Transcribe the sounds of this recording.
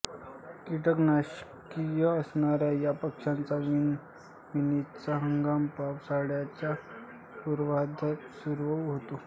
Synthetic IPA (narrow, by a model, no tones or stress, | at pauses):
kiʈəknaɕkijəəsɳaɾjajapəkʂãnt͡saʋin | minit͡saɦəŋɡampapsaɽjat͡ɕja | puɾʋad̪ʱat̪suɾʋəwɦot̪o